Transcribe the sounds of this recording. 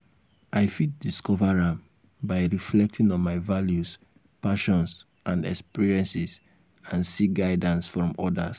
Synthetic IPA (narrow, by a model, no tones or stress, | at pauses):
ʔaɪfit̚diskɔvaɹãm | baɪɹiflɛk̚tʰĩŋɔ̃nmaɪvaljus | paʃɔ̃ns | ʔãndɛ̰kspiɹiɛ̃nsis | ãnsiɡaɪdãnsfɹɔ̃mɔda̰s